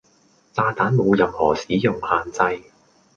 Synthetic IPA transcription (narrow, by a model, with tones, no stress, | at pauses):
t͡saː˧t̪aː˨˥nmo˨˧wjɐ˨mhɔː˨˩siː˨˥jʊ˨˩ŋhaː˨nt͡sɐ˧j